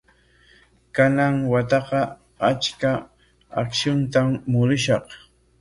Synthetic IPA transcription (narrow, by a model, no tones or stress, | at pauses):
kanaŋwat̪ɑqɑ | at͡ʃka | a̰kʃʊnt̪amːʊɾɪʃɑq